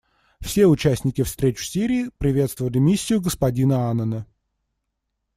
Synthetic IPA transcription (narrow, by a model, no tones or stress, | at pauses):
fsʲe̞ʊt͡ɕæsʲnʲɪkʲɪfst̪ɾʲet͡ɕʊ̥sʲiɾʲiːpɾʲɪvʲe̞t̪st̪vəvəlʲɪmʲisʲːɪjʊɡəspɐdʲinəanːənə